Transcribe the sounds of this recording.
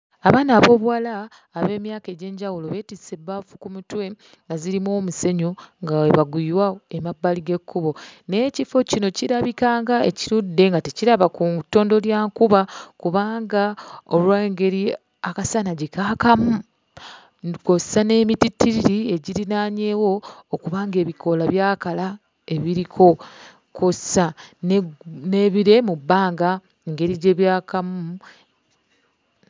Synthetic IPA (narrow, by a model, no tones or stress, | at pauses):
aβaːnaːβo̞ːβwalaː | βe̞ːmjaːke̞ɟe̞ːɲɟawulo̞βe̞ːtise̞bafu̥kumutwe̞ | ŋɡaziɾimwoːmuse̞ɲoŋɡaweβaɡiiɾwaemabːaliɡe̞kːuβo̞ne̞ːcifo̞cino̞ciɾaβikaːŋɡaḛciɾudːe̞ŋɡateciɾaβakutːo̞ːndo̞ljaːŋkuβakuβaːŋɡaolwaŋɡe̞ɾi | akasanaɟekakamu | kosane̞ːmititːiɾiɾie̞ɟiɾinaːɲe̞ːwo̞ːkuβaːŋɡe̞ːβiko̞laβjaːkala | e̞βiɾikʰo̞ | kosanne̞ːβiɾe̞mubːaːŋɡa | eŋɡe̞ɾiɟe̞ːβjaːkamu